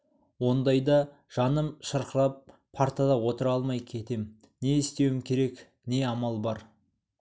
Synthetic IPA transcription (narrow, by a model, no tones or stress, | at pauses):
wo̞nd̪ɑjd̪ɑ | ʒ̥ɑnəmʃəɾqəɾɑp̚ːʰ | aɾt̪ad̪ɑwo̞t̪əɾɑlˠmɑjkʲʰe̞t̪e̞m | ne̞ɪst̪e̞wɪmkʲʰe̞ɾe̞k | ne̞ɑmɑlˠbɑɾ